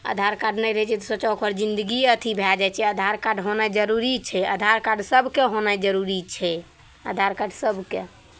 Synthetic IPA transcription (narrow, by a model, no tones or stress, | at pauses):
ə̰d̪ʱaɾkaɖnɛjɾəɦɛt͡ʃʰɛt̪ɔsət͡ʃakʰəɾd͡ʒind̪əɡiət̪ʰibʱɛd͡ʒat͡ʃʰɛəd̪ʱaɾkaɖʱɦonad͡ʒəɾuɾit͡ʃʰɛəd̪ʱaɾkaɖʱsəbkeɦonad͡ʒəɾuɾit͡ʃʰɛ | ə̰d̪ʱaɾkaɖʱsəbke